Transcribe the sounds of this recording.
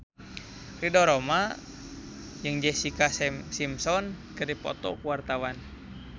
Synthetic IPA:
ridɔɾɔma | jɨŋd͡ʒɛsikassimsɔnkɨrdipɔ̰t̪ɔ̰kuwart̪awan

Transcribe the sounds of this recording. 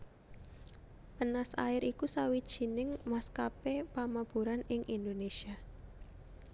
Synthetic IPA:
pənasa̰ɪɾikusawid̥ʒ̥i̤nɪŋmaskapepamab̥uɾanɪŋʔind̪onesia

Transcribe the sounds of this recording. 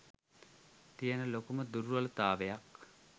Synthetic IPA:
t̪ijənəlokuməd̪uɾʋɐlət̪aːʋejak

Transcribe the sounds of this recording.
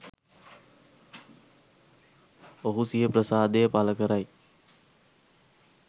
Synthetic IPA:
oɦusijɦəpɾəsaːd̪ejəpaləkəɾaj

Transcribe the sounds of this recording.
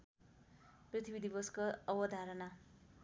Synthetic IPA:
prit̪ʰibid̪ʱibʌskoʌbʌd̪ʱaɾʌna

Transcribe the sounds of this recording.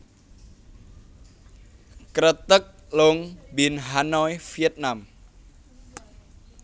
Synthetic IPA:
kɾət̪ək̚loŋbinɦanɔjfiət̪̚nam

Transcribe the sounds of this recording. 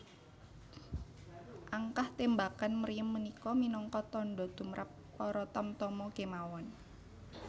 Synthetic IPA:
ʔaŋkaht̪embakanməɾijəmːənikɔminɔŋkɔt̪ɔɳɖɔd̪̥ṳmɾʔa̰p̚ːɔɾɔt̪ɔmt̪ɔmɔkemawɔn

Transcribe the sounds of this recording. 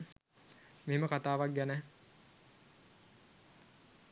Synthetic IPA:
meɦeməkat̪aːʋak̚ɡænɛ

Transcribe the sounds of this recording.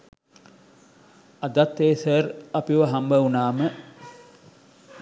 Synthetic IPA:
ɐd̪at̪ːeːsərɐpiʋəɦambəunaːmə

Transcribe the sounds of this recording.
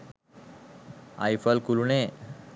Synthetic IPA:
a̰jfəlkuluɳe

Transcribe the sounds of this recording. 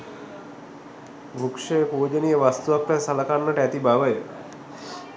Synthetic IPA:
bʱukʂejəpuːd͡ʒənijəʋast̪uʋakʋɛsaləkanːəʈəæt̪ibaʋəjə

